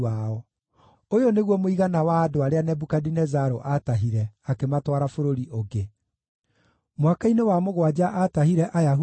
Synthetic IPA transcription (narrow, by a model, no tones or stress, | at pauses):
aɔ | ojɔneɣwɔmoiɣanawaːdoaɾeanɛbukadinɛzaɾoʔataɦiɾɛakematwaɾafoɾoɾiʔoɡe | mwakainewamoɣwad͡ʑaʔataɦiɾɛʔajaɦu